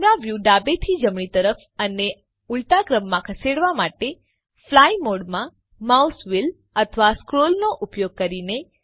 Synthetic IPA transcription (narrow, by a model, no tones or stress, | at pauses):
ɾaʋjuɖabet̪ʰid͡ʒəmɳ̃it̪əɾəf | əne | ult̪akɾəmːãkʰəseɽʋamaʈe | flajmoɽmã | mausʋil | ət̪ʰʋaskɾolnoʔupjoɡ̚kəɾine